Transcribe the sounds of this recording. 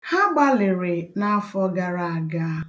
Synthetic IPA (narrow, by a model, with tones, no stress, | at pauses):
ha˦ɡ͡ba˦lɪ˨ɾɪ˨na˦a˦fɔ˦ɡa˨ɾa˨a˨ɡa˦